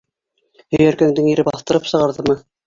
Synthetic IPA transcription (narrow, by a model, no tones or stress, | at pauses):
hɵ̆jæɾkæŋd̪ɘŋiɾɘbɑθt̪ɤ̆ɾɤpsɤ̆ʁɑɾðɤmɤ